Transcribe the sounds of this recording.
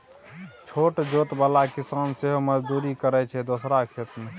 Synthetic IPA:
t͡ʃʰoːʈd͡ʒoːt̪baːlakisaːnseɦoməd͡ʒd̪uːɾikəɾɛt͡ʃʰɛd̪osɾakʰet̪me

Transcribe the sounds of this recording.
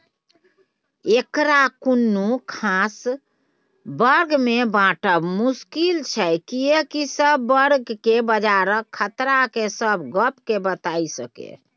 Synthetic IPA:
ekɾakunːukʰas | bəɾɡmebãʈəbmuskilt͡ʃʰɛkiekisəbːəɾɡkebəd͡ʒaɾəkʰːət̪ɾakesəbɡəpkebət̪aisəkḛ

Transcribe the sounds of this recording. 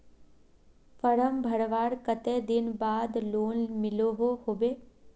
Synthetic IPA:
fəɾəmbʱɐɽʋaːɽkət̪ed̪ɪnbaːd̪loːnmɪloɦohoːʋeː

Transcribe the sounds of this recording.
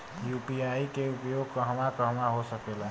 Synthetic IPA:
jupiaikeupjoɡ̚kəɦəmakəɦmaɦosəkʰela

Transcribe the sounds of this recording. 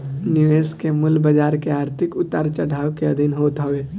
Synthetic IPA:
nɪʋeːskemʊlbəd͡ʒaːɾkeaːɾt̪ʰɪkʊt̪aːɾt͡ʃəɽaːʋkeɐd̪ʱinɦoːt̪ɦoʋeː

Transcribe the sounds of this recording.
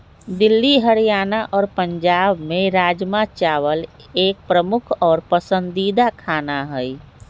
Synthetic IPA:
d̪ɪlːiɦəɾijaːnaʔɔːɾpəɲd͡ʒaːbmẽɾaːd͡ʒmat͡ʃaʋəl | eːk̚pɾəmʊkʰɔːɾpəsə̃nd̪id̪akʰaːnaɦəj

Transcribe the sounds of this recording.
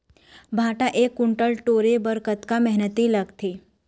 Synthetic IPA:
bʱaːʈaʔeːkːʊɳʈəlʈoːɾebəɾkət̪kamɛɦnət̪iləɡt̪ʰeː

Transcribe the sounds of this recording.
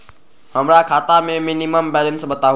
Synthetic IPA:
həmɾakʰaːt̪amẽmɪniməmbɛːlənsɓət̪aː

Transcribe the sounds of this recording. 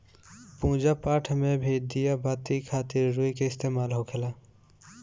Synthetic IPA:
pũːd͡ʒapaːʈʰmẽbʱeːd̪ijabaːt̪ikʰaːt̪ɪɾːuikeɪst̪eːmaːlɦokʰela

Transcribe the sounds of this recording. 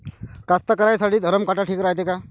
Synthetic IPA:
kast̪akəɾajsaɽiːd̪ʱəɾəmkaʈaʈʰiːkɾat̪eka

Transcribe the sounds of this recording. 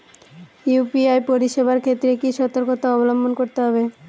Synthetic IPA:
jupiajpoɾiʃebʱaɾkʰet̪ːɾekiʃɔt̪oɾkot̪aɔbolombonkoɾt̪eɦɔbe

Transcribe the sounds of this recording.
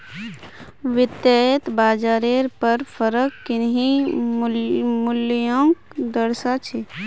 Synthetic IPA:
ʋɪd̪jajət̪baːd͡ʒaːɾeɾpəɾpʰəɾəkːɪnɦi | mʊljõŋkd̪əɾsat͡ʃʰe

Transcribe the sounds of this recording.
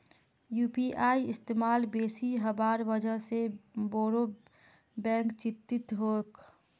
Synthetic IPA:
juːpiʔaːiɪst̪eːmaːlbeːsiɦəbaːɾʋəd͡ʒʱəɦseboːɾo | bɛ̃ːŋkt͡ʃɪt̪ːɪt̪ɦoːk

